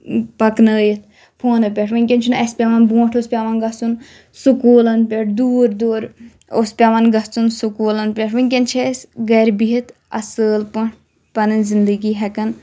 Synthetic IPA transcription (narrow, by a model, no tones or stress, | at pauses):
pɐknəːjit̪ʰ | pʰoːnɐpʲeʈʰʋɨnʲkʲent͡ʃʰunɐspʲaʋɐnbũːʈʰospʲaːʋɐnɡɐt͡sun | sukuːlɐnpʲeʈʰd̪uːɾd̪oːɾ | ospʲaʋɐnɡɐt͡sunsukuːlɐnpʲeʈʰʋɨnʲk̬ʲent͡ʃʰesɡɐɾbiɦit̪ʰ | ɐ̰səːlpuʈʰ | pɐnɨnzind̪əɡiːɦɛkɐn